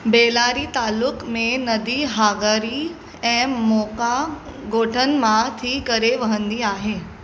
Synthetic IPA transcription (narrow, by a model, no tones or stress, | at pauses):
beːlaːɾit̪aːlːʊkmẽnɐd̪iɦaːɡəɾi | ɛ̃ːmɔːka | ɡoːʈʰənmãt̪ʰikɐɾeʋɐɦə̃nd̪iaːɦeː